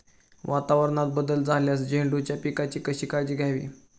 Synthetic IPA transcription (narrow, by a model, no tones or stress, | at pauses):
ʋat̪aʋəɾnat̪̚bəd̪əld͡zʱaljasd͡ʑeɳɖut͡ɕjapikat͡ɕiːkəɕiːkad͡ʑiːɡʱjaʋḭː